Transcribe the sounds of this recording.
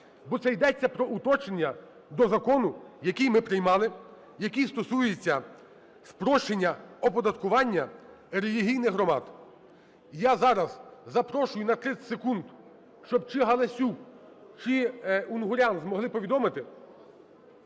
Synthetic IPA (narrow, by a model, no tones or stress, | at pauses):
bɔt̪sɛjd̪ɛt͡sʲːɐpɾɔʔut̪ɔt͡ʃenʲːɐ | d̪ɔzɐkɔnʊjɐkʲijmɪpɾɪjmɑlˠɪ | jɐkʲist̪ɔsujet͡sʲːɐ | spɾɔʃenʲːɐɔpɔd̪ɐt̪kʊʋɑnʲːɐ | ɾelʲiɦʲijnɪxɦɾɔmɑ̰d̪ | jazɑɾɐz̥ːɐpɾɔʃʊjʊnɐt̪ɾɪsekund̪ | ʃt͡ʃɔb̚t͡ʃɪɦɐlˠɐsʲuk | t͡ʃɪunɦʊɾʲanzmɔɦlˠɪpɔʋʲid̪ɔmɪt̪ɪ